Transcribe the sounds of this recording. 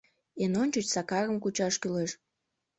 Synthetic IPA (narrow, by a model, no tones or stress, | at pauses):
enonʲt͡ɕut͡ɕsɑkɑɣəmkut͡ɕɑʃkyleʃ